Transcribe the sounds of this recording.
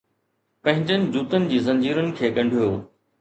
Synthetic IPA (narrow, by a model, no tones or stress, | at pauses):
pɐ̃ɦɪ̃ɲd͡ʑənɪ̆d͡ʑuːt̪ənɪ̆d͡ʑiːzɐ̃ɲd͡ʑiːɾənɪ̆kʰeːɠɐ̃ɳɖʱijoː